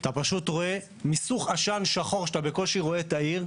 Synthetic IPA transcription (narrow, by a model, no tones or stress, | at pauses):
at̪apaʃutʁo̞e̞ | misuχaʃanʃaχo̞ʁʃetabeko̞lʃiʁo̞et̪aiʁ